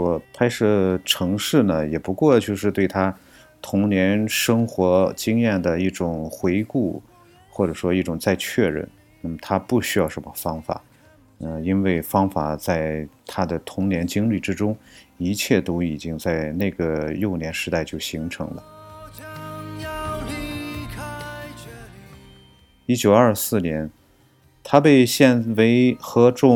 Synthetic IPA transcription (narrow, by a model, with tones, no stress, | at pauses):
wɔ˨˩kʰa˥ɪʂɤ˥˩ʈ͡ʂʰɤ˧˥ŋʂɻ̩˥˩nə˩jɛ˨˩pu˧˥kwɔ˥˧t͡ɕjo˥˧ʂɻ̩˥˧t̪we˥˩ɪt̪ʰa˥ | t̪ʰʊ˧˥ŋnjɛ˧˥nʂɤ˥ŋxwɔ˧˥t͡ɕi˥ŋjɛ˥˩nd̪ə˩i˥˩ʈ͡ʂʊ˨˩ŋxwe˧˥ɪku˥˩ | xwɔ˥˩ʈ͡ʂɤ˨˩ʂwɔ˥i˥˩ʈ͡ʂʊ˨˩ŋt͡sa˥˧ɪt͡ɕʰɥɛ˥˧ɻə̰˥˩n | na˥˩mə˩t̪ʰa˥pu˥˩ɕy˥jɑ˥˩ʊʂə˧˥mə˧fɑ˥ŋfa̰˨˩˦ | ə˧i˥nwe˥˩ɪfɑ˥ŋfa˨˩t͡sa˥˩ɪt̪ʰa˥d̪ə˨t̪ʰʊ˧˥ŋnjɛ˧˥nt͡ɕi˥ŋli˥˩ʈ͡ʂɻ̩˥ʈ͡ʂʊ˥ŋi˧˥t͡ɕʰjɛ˥˩t̪o˥ʊi˨˩t͡ɕi˥ŋt͡sa˥˧ɪne˥˩ɪɡə˩jo˥˩ʊnjɛ˧˥nʂɻ̩˧˥t̪a˥˧ɪt͡ɕjo˥˩ʊɕi˧˥ŋʈ͡ʂʰɤ̰˧˥ŋlə̰˧ | i˥t͡ɕjo˨˩ʊɐ˞˥˧sɹ̩˥˩njɛ˧˥n | t̪ʰa˥pe˥˧ɪɕjɛ˥˧nwe˧˥ɪxɤ˧˥ʈ͡ʂʊ˥˧